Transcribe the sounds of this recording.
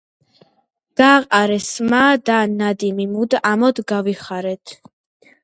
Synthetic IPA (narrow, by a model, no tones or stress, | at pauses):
d̪̥aːqʼaɾɛsmaːd̪anad̪imimud̪amɔd̪ɡaviχaɾɛt̪ʰ